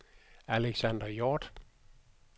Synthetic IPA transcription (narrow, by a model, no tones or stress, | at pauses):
æleɡ̥sænd̥ɐjɔːd̥